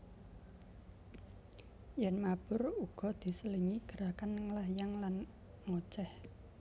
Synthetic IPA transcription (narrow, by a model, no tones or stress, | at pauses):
jɛnmab̥ʊ̤ruɡ̥ɔ̤d̪̥i̤səliŋiɡ̥əɾakanŋəlajaŋlan | ŋo̥t͡ʃɛh